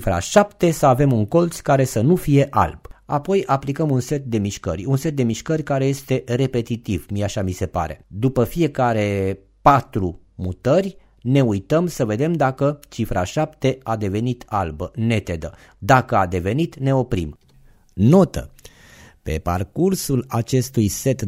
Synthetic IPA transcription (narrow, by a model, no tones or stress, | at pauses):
ifɾa̰ʃapt̪e̞səave̞muŋko̞lt̪sʲkaɾe̞sənufije̞ʔa̰lb̥apo̞jʔaplikəmunse̞t̪̚d̪e̞miʃkə̰rʲunse̞t̪̚d̪e̞miʃkərʲkaɾe̞je̞st̪e̞re̞pe̞t̪it̪ivmiaʃamise̞pa̰ɾe̞̰d̪upəfije̞kaɾe̞ | pat̪ɾu | mut̪ərʲ | ne̞ujt̪əmsəve̞d̪e̞md̪akət͡ʃifɾa̰ʃapt̪e̞ad̪e̞ve̞nit̪albəne̞t̪e̞d̪ə | d̪akəad̪e̞ve̞nit̪ne̞o̞pɾḭm | no̞t̪ə̰ | pe̞̰pa̰rkursulat͡ʃe̞st̪ujse̞t̪